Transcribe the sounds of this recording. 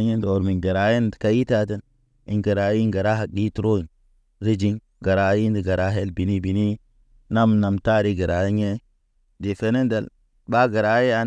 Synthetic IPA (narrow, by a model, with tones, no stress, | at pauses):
ɲe˦ndo˨ɾmi˨nɡə˨ɾa˨je˦ndka˦i˦ta˦tə˦n | i˨nɡə˨ɾa˨˦ji˦ŋɡa˨ɾa˦ɦa˨k̚ɗi˦tu˦ɾo˦i˨n | ɾi˦d͡ʒi˦ŋ | ɡa˨ɾa˨˦ji˦ndi˨ɡa˨ɾa˦ɦe˦lbi˨ni˦bi˨ni˦ | na˦m˨na˨mta˦ɾi˦ɡə˨ɾa˨jɲe˦ | di˨fe˦ne˦nda˨l | ba˦ɡa˨ɾa˨˦e˦a˦